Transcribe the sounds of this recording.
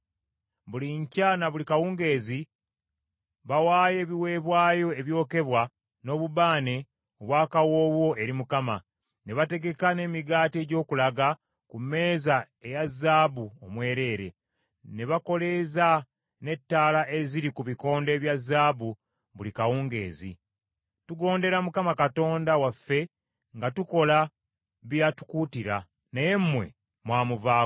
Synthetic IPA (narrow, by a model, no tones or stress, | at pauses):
βuliɲcanaβulikawuːŋɡe̞ːzi | βawaːje̞ːβiwe̞ːβwaːjo̞eβjo̞ːke̞βwa | no̞ːβuβaːne̞ | oβwaːkawo̞ːβwo̞ʔe̞ɾimukama̰ | ne̞βate̞ɡe̞kane̞ːmiɡaːte̞ːɟo̞ːkulaɡa | kume̞ːza | e̞jazːaːβuomwe̞ːɾe̞ːɾe̞̰ | ne̞βako̞le̞za | ne̞tːaːlaʔe̞ziɾikuβiko̞ːnde̞ːβjazːaːβu | βulikawuːŋɡe̞̰ːzḭ | tuɡo̞ːnde̞ɾamukamakato̞ːndawafːe̞ | ŋɡatuko̞la | βjatu̥kuːtiɾa | neje̞mːwe̞̰ | mwaːmuvaː